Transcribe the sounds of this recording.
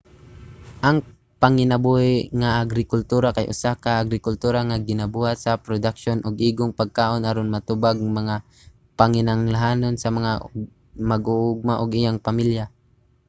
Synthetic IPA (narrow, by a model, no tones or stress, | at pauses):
ʔɐŋ | pɐŋɪnɐbuhɪŋaʔaɡɾɪkʊlt̪uːɾakajʔʊ̰sakɐʔːɡɾɪkʊlt̪uːɾaŋaɡɪnɐbuhat̪sɐpɾod̪akʃonʔoɡʔiːɡoŋpɐɡ̚kaːʔo̞nʔaɾonmɐt̪ʊbaɡ̚ŋmɐŋa | pɐŋɪnaŋlaɦaːnonsɐmɐŋa | mɐɡʊʔʊɡ̚maʔoɡɪjaŋpɐmilja